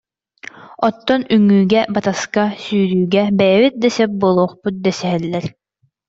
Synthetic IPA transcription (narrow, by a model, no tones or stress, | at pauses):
ɔt̪ːɔnyŋːyːɡɛbat̪askasyːɾyːɡɛbɛjɛβit̪̚d̪ɛsɛp̚buːlˠuːχput̪̚d̪ɛsɛɦɛlːɛɾ